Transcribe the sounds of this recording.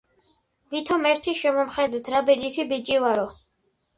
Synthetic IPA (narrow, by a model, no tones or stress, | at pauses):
vit̪ʰɔmɛɾt̪ʰiʃɛmɔmχɛd̪ɛt̪ʰɾabɛd͡ʒit̪ʰibit͡ʃʼivaɾɔ